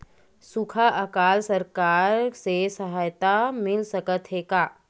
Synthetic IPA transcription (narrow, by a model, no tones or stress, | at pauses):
sʊkʰaʔəkaːlsəɾkaːɾsesəɦaːjt̪amɪlsəkət̪ɦeːkaː